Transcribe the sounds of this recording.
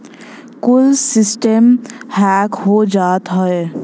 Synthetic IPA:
kʊlsɪsʈəmhɛːkɦod͡ʒaːt̪ɦɛ

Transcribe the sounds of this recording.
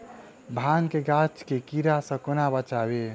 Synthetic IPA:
bʱaːnkeɡat͡ʃkekiɾasə̃konabət͡ʃaːwe

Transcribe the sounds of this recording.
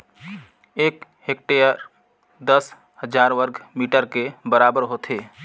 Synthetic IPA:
eːkheːk̚ʈejə | d̪əs | həd͡ʒaːɾʋəɾɡmiːʈəɾkebəɾaːbəɾɦoːt̪ʰeː

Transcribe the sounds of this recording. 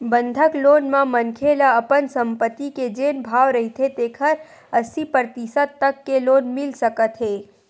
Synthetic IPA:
bə̃nd̪ʱəkloːnmãmɐnkʰeːlaɐpənsɐ̃mpət̪ːiked͡ʒeːnbʱaːwɾɐɦit̪ʰet̪eːkʰəɾ | ɐsipɾət̪isət̪t̪ːɐkːeloːnmɪlsəkət̪ɦeː

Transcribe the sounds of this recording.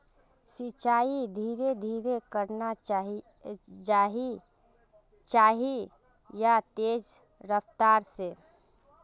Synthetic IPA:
sit͡ʃaːid̪ʱiːɾed̪ʱiːɾekəɾna | d͡ʒaːɦi | t͡ʃaːɦi | jat̪eːd͡ʒ | ɾəft̪aːɾse

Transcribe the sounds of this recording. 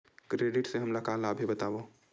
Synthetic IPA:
kɾeːɖɪʈseɦɐmlɐkalaːbʱibɐt̪aːʋo

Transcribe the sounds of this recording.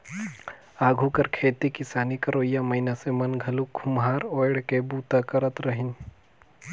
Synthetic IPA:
aːɡʱukɐɾkʰeːt̪ikɪsaːnikɐɾoːjamɐɪnasemɐnɡʱɐluɡʱʊmɦaːɾoːɽkebuːt̪akɐɾət̪ɾɐɦɪn

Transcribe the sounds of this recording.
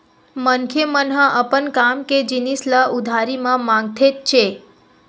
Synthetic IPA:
mənkʰjemənɦə̃ʔəpənkamked͡ʒinisləʔud̪ʱaɾimãmãŋɡ̚t̪ʰet̪̚t͡ʃʰe

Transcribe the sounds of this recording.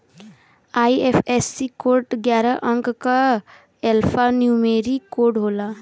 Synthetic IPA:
ajepʰesːikoɾʈɡjaɾʌʔʌŋkka | elpʰanjumeɾikoɖɦola

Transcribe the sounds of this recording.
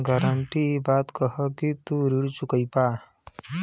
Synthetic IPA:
ɡəɾəɳʈibaːt̪kəɦəkit̪uɾiɽt͡ʃukəjpaː

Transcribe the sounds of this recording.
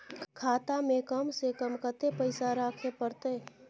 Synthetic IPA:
kʰaːt̪amẽkəmsekəmkət̪epəɪsaɾaːkʰepəɾt̪e

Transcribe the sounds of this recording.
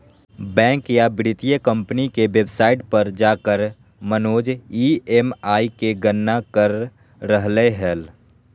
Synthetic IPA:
bɛ̃ːŋkjabɪɾɪt̪ijəkə̃mpnikeʋebsaːɪʈpəɾd͡ʒaːkəɾ | mənoːd͡ʒiemaːikeɡənːakəɾː | əɦleɦɛːl

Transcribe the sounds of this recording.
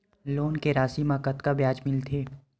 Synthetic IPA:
loːnkeɾaːsimãkɐt̪kabjaːd͡ʒmɪlt̪ʰeː

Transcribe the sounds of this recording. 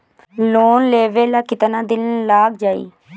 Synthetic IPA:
loːnleːʋeːlaːkɪt̪nãːd̪ɪnlaːɡd͡ʒaːḭː

